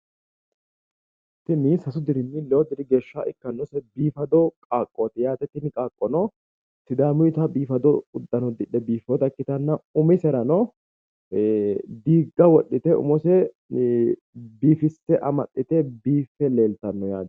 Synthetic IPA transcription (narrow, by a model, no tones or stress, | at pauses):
t̪ːɪnisɐsʊd̪ɪɾɪnːɪlɛɔd̪ɪɾɪɡe̞ːʃːaʔɪkːɐnːɔsɛbiːfɐd̪ɔkʼaːkʼːoːt̪ɛjaːt̪ɛt̪ːɪnɪkʼaːkʼːɔnɔ | sɪd̪aːmʊjt̪ɐbiːfɐd̪ɔʊd̪ːɐnɔd̪ɪᶑɛbiːfɔt̪ɐkːɪt̪ɐnːɐʊmɪsɛɾɐnɔ | d̪iːɡːɐwɔɗːɪt̪ɛʊ̰mɔsɛ | biːfɪst̪ːɛʔɐmɐɗːɪt̪ɛbiːfːɛle̞ːlt̪ɐnːɔjaːd̪